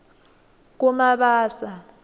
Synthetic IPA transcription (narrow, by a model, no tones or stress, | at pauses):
k̬umaɓaːsa